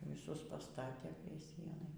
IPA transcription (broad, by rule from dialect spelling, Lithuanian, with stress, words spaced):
ʋʲɪˈsʊs pɐˈstɑːtʲeː pʲrʲiɛ ˈsʲiɛnɐɪ